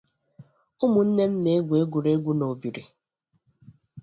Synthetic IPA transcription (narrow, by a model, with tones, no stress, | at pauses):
ʊ˦mʊ˨n̩˦ne˦m̩˦ne˨˦e˦ɡʷe˦ɡʷu˨ɾe˦ɡʷu˦no˨bi˨ɾi˨